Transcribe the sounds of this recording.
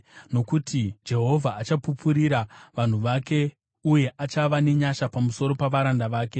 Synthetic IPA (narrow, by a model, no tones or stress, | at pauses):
no̞kutid͡ʒe̞ɦo̞vʱaːt͡ʃapupuɾiɾaʋan̤uʋake̞ | uje̞ʔat͡ʃaʋane̞ɲaʃapamuso̞ɾo̞paʋaɾandaʋaːke̞